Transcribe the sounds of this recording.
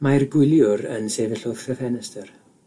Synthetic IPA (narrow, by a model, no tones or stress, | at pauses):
majrɡʊlˠjʊɾə̰nsevɪɬʊð̥kəvɛnəstər